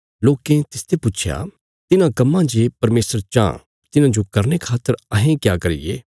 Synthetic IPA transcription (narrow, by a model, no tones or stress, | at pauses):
loːkẽt̪ɪst̪ʰepʊt͡ʃʰja̰ | t̪ɪnãkɐmːãd͡ʒeːpɐɾmeːsəɾt͡ʃã̰ | t̪ɪnãd͡ʒokɐɾnekʰaːt̪ːəɾɐɦẽkjaːkɐɾɪ̰jḛː